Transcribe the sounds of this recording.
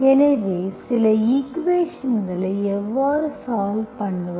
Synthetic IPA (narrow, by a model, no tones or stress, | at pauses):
ɛnɐʋesɪlɐikʋeːʂɐnɡɐɭɐɪɛʋːaːɾɯsaːʋpɐɳːɯʋ